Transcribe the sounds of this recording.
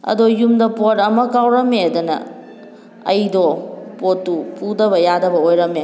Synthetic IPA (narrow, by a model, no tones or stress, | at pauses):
ɐ̰dojumdɐpotɐmɐkawɾɐmeɐdɐnɐ̰ | ɐjdopotːupudɐbɐjadɐbɐojɾɐme